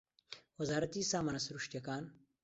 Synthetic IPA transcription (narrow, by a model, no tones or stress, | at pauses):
wɐzaːɾɐt̪iːsaːmɐnɐsɾuʂt̪jɐkaːn